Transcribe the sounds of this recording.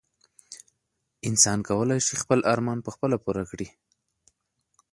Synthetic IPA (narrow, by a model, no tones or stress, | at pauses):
ɪnsɑnkawəlajʃixpəlʔaɾmɑnpəxpəlapuɾakɽi